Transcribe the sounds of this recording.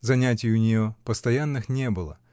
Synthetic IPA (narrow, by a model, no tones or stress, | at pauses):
zɐnʲatʲɪjʊnʲɪjopəst̪ɐjanːɨxnʲebɨlˠə̰